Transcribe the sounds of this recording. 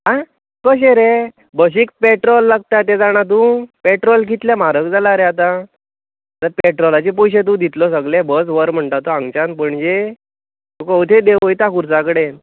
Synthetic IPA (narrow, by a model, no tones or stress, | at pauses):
ɦa | kəɕ̬eɾe | bəɕ̬iːk̚peʈɾɔlːaɡ̚t̪at̪ed͡zaɽ̃at̪̬ũpeʈɾɔlkit̪ljamaɾəkd͡zalaɾeat̪a | t̪əɾpeʈɾɔlat͡ɕep̬ujɕet̪̬ũd̪ʱit̪lɔs̬əɡlebəsʋəɾm̤əɳt̪at̪oãŋɡt͡ɕanpəɳd͡ʑe | t̪ũkəwt̪ʰed̪eojt̪akuɾsakəɽe